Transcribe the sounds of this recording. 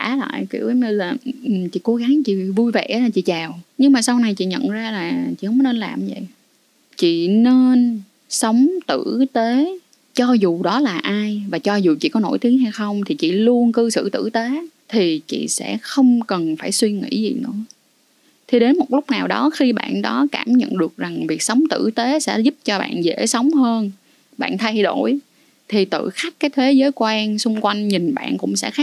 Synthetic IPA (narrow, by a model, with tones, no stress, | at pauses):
aː˧˩˦la̰ː˧˨jki˧˩əwə˨˦ɲɨ˧laː˨˩ʔɨ˨˩mt͡ɕḭ˧˨ko˨˦ɣa˨˦ŋt͡ɕḭ˧˨vu˧jvḛ˧˨ʔlaː˨˩t͡ɕḭ˧˨t͡ɕaː˨˩wɲɨ˧ŋmaː˨˩sa˧wna˨˩jt͡ɕḭ˧˨ɲə̰˧˨nzaː˧laː˨˩t͡ɕḭ˧˨hə˧˦wm˦ne˧nlaː˨˩mvə̰˧˨j | t͡ɕḭ˧˨ne˧n | sə˨˦wŋ͡mt̪ɨ̰˧˩˨t̪e˨˦ | t͡ɕɔ˧zu˨˩ɗɔ˨˦laː˨˩ʔaː˧jvaː˨˩t͡ɕɔ˧zu˨˩t͡ɕḭ˧˨kɔ˨˦no̰˧˩jt̪i˨˦əŋɦa˧jxə˧wŋ͡mt̪ʰi˨˩t͡ɕḭ˧˨lu˧ənkɨ˧sɨ̰˧˨t̪ɨ̰˧˩˨t̪e˨˦t̪ʰi˨˩t͡ɕḭ˧˨sɛ̰˧˥xə˧wŋ͡mkə˨˩nfaː˧˩jswi˧ŋḭ˧˥zḭ˨˩nɨ̰˧˥ə | t̪ʰi˨˩ɗe˨˦nmo˨˩t̚lʊ˦˥k͡p̚naː˨˩wɗɔ˨˦xi˧ɓa̰ː˧˨nɗɔ˨˦kaː˧˩mɲə̰˧˨nɗɨ˨˩ək̚za˨˩ŋvi˨˩ək̚sə˨˦wŋ͡mt̪ɨ̰˧˩t̪e˨˦sɛ̰˧˥zp̚t͡ɕɔ˧ɓa̰ː˧˨nzḛ˧˥sə˨˦wŋ͡mhəː˧n | ɓa̰ː˧˨nt̪ʰa˧jɗo˧˩j | t̪ʰi˨˩t̪ɨ̰˧˨xa˦˥k̚kaː˨˦jt̪ʰe˨˦zəː˨˦jkwaː˧nsʊ˧ŋ͡mkwa˧jŋ̟ɲi˨˩nɓa̰ː˧˨nkʊ̰˧˥ŋ͡msɛ̰˧˥xa˦˥